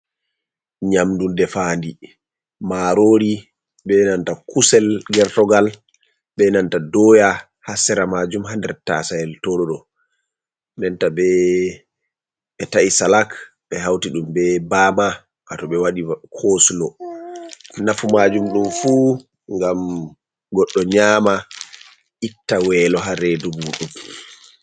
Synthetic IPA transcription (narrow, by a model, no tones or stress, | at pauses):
ɲamdundɛfandi | maɾoɾi | ɓɛnantakusɛlɡɛɾtɔɡal | ɓɛnantadɔja | hasɛɾamad͡ʒumɦandɛɾta̰sajɛltɔɗɔɗɔ | nɛntaɓɛ | ɓɛtaʔisalak | ɓɛɦawtiɗumbɛbaːma | ʔatɔɓɛwaɗikʰoslɔ | nafumad͡ʒumɗumfu | ŋɡam | ɡɔɗːɔɲaːma | ʔitːawɛlɔɦaɾɛdubuɗum